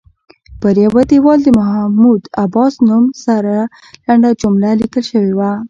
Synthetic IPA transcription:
pəɾjawad̪iwɑld̪əmaɦamud̪abɑsnumsaɾa | laɳɖad͡ʒʊmlalikəlʃəwewa

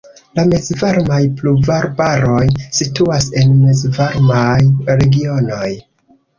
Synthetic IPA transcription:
lamezvaɾmajpluvaɾbaɾo̞jsituase̞nmezvaɾmajɾe̞ɡio̞no̞j

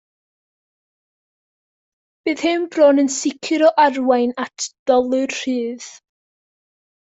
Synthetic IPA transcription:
b̥ɨːð̥hɨmbroːnənsɪkʰɨɾɔʔarwajnatʰd̥ɔlˠɨrr̥ɨːð̥

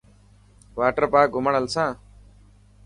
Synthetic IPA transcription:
ʋaːʈəɾpaːɡʱʊməɳəlsãː

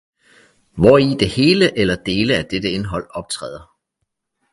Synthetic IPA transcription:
ʋɒid̥e̝he̝ːləʔelɐd̥e̝ːləæd̥ed̥əe̝nɦɒ̽l̰ɒ̽b̥̚t͡sʰʁɛ̰ːðˠɐ

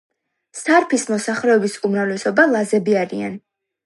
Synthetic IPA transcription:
saɾpʰismɔsaχɾɛɔbisumɾavlɛsɔbalˠazɛbiaɾian

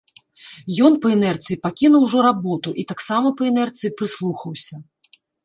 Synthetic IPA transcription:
jɔn̪pɐɛnɛrt̪sɨjipakʲinuwʐɔɾabɔt̪uʔit̪aksamɐpɐɛnɛrt̪sɨjipɾɨslˠuxɐwsʲɐ

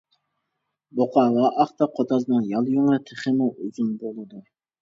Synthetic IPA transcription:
boqʰɑːʁɑʔɑχt̪ɑqʰot̪ʰɑznɨŋjɑlˠjoŋɾɨt̪ʰeχəmuuzunbolˠɨd̪u

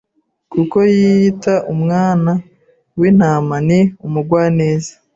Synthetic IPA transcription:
kuko̞jiːtaʔumŋaːna | win̥aːmaniumuɡwaːne̞ːzḁ

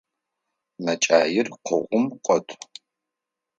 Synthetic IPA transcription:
nɐt͡ʃʼa̰ːjɪrqʰʷə̰ʁʷʊmqʷʼɔtʷʰʼ

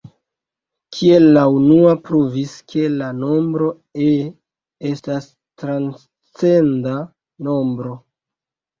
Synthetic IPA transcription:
kʰie̞lːaunuapɾuviskʰe̞lano̞mbɾo̞ | e | estas | tɾans | t͡senda | no̞mbɾo̞

